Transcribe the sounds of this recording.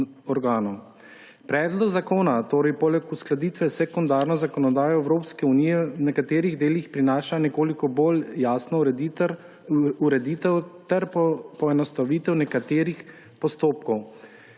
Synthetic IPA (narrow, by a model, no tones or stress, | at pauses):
ɔɾɡaːnɔ | pɾɛːd̪lɔɡzakoːnat̪oːɾɛjpɔlɛkusklad̪iːt̪ʋɛsɛkund̪aːɾnɔzakɔnɔd̪aːjɔɛwɾoːpskɛunijɛwnɛkat̪eːɾiɣd̪eːlixpɾinaːʃanɛkoːlikɔboljaːsnɔ | uɾɛd̪it̪ɛwt̪ɛɾpɔɛnɔst̪aʋiːt̪ɛwnɛkat̪eːɾix | pɔst̪oːp̚kɔw